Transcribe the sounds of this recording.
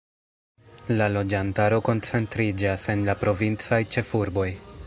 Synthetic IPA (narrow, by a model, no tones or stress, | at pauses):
lalo̞d͡ʒantaɾo̞ko̞nt͡se̞ntɾid͡ʒase̞nlapɾo̞vint͡sajt͡ʃe̞fuɾbo̞j